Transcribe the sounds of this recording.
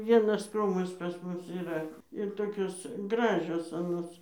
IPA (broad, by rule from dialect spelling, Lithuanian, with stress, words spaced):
ˈʋʲiɛnɐs ˈkruːmɐs pɐs ˈmʊs iːˈrɐ ɪr ˈtoːkʲoːs ˈɡrɑːʒʲoːs ɐˈnoːs